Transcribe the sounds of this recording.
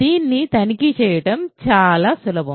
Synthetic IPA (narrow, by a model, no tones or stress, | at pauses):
d̪̥iːnːit̪ɐnikit͡ʃɛːjɐʈɐmt͡ʃaːlaːsulɐbʱɐm